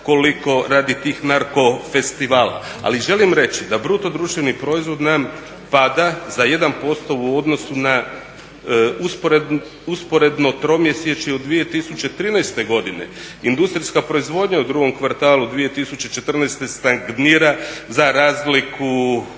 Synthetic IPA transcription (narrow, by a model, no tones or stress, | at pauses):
ko̞liko̞ɾaːd̪it̪iːxnaɾko̞fe̞st̪iʋaːla̰ | a̰liʒe̞limɾe̞t͡ʃid̪abɾut̪o̞d̪ɾuʃt̪ʋenipɾo̞izʋo̞d̪nam | pad̪azaje̞d̪anpo̞st̪o̞uo̞d̪no̞suna | uspe | uspo̞ɾe̞d̪no̞t̪ɾo̞mjesjet͡ʃiod̪ːʋije̞t̪isut͡ɕe̞t̪ɾiːnajst̪e̞ɡo̞d̪ine̞̰ | ind̪ust̪ɾiskapɾo̞izʋo̞d̪ɲaud̪ɾuɡo̞mkʋaɾt̪aːlˠud̪ʋijet̪isut͡ɕe̞t͡ʃe̞t̪r̩nɛjst̪e̞st̪aŋɡniːɾazaɾaːzliku